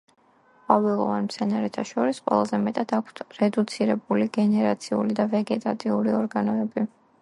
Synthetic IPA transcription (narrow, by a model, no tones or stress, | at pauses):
pʼavɛlˠɔvanmt̪sʰɛnaɾɛt̪ʰaʃɔɾisqʼwɛ̰lˠazɛmɛt̪ʼad̪akʷʰt̪ʰɾɛd̪ut̪sʰiɾɛbuliɡɛnɛɾat̪sʰiṵlid̪avɛɡɛt̪ʼat̪ʼiuɾiɔɾɡanɔɛbi